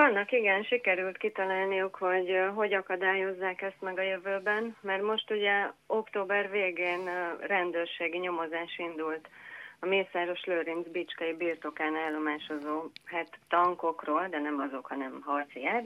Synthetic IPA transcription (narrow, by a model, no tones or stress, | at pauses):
ɒnːɒkiɡɛnʃikɛɾylt̪kit̪ɒlaːlnijukho̞ɟɦo̞ɟɒkɒd̪aːjo̞zːaːkɛst̪mɛɡɒjøvøːbɛnmɛrt̪mo̞ʃt̪uɟɛo̞kt̪oːbɛrveːɡeːnrɛnd̪øːrʃeːɡiɲo̞mo̞zaːʃind̪ult̪ɒmeːsaːɾo̞ʃløːɾinzbit͡ʃkɒibiːrt̪o̞kaːnɛlːo̞maːʃo̞zoːɦɛt̪ːɒŋko̞kroːld̪ɛnɛmɒzo̞khɒnɛmɦɒrt̪sijaːt̪